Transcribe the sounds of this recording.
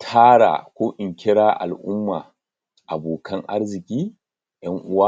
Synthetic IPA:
tʰaː˦ɽa̰ː˨kʷoː˦ʔɪ˨ŋkʲɪ˦ɽaː˦ʔa̰˨lʔʊ̰˦mːa̰ː˨ | ʔa˨boː˨kʰɐ˦ŋʔa˦ɽzɪ˨kʲiː˦ | jɐ˦ŋʔʊ˦waː˦

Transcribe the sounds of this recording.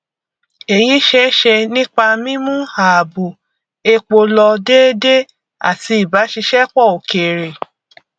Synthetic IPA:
e˨jĩ˨˦ʃɛ˦ʃɛ˧nĩ˦k͡pa˧mĩ˦mũ˦ha˨bu˨ | e˧k͡po˧lɔ˧deː˦de˦ | a̰˦˨ti˧˦i˨ba˨˦ʃi˧ʃɛ˦k͡pɔ˦˨o˨ke˨ɾe˨

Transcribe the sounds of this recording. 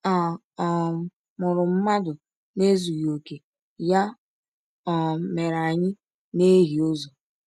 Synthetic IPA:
a˨ | mʊ˨ɾʊ˨m̩˦ma˦dʊ˨ | ne˦zu˨jo˨ke˨ | ja˦ | ɔ˨me˨ɾa˨ɲɪ˦ | ne˦ɦi˨o˦zo˨

